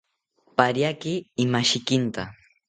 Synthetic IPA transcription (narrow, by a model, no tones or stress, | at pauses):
paɾjakɪːmaʃɪkɪnt̪a